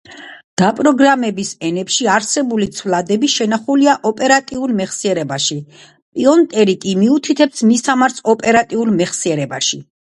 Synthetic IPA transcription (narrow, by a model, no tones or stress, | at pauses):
d̪̥apʼɾɔɡɾamɛbisɛnɛpʃiaɾsɛbulit̪sʰvlad̪ɛbiʃɛnaχuliaʔɔpʼɛɾat̪ʼiulˠmɛχsiɛɾɛbaʃi | pʼiɔnt̪ʼɛɾikʼimiut̪ʰit̪ʰɛpsmisamaɾsʰɔpʼɛɾat̪ʼiulˠmɛχsiɛɾɛbaʃi